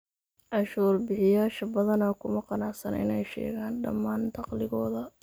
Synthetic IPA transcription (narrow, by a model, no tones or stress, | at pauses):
ʔɑʃuːrbɪħɪjaːʃɐbɐðɐnɐːkʰʊmɐqɑnɑʕsɐnʔɪ̰nɛjʃɛ̰ːɣaːnɖɐ̰mːaːnd̪ʰɑqlɪɣɔːðɐ